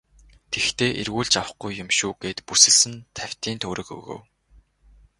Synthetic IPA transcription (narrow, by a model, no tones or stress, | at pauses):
t̪ʰext̪ʰeːʔerɣuːɮt͡ɕawə̆χɡujːʊmʃuːɡ̥eːt̪pusɘ̆ɮsɘ̆nt̪ʰæw̥ʲt̪iːnt̪ʰɵːɾɵ̆kɵ̰ɣo̰w